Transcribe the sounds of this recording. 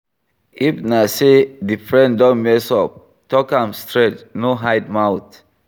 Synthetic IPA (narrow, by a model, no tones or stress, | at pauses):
ifnasedifɹɛ̃ndɔ̃nmɛsɔp̚ | tɔkãmstɹɛt͡ʃnoɦajd̚mawt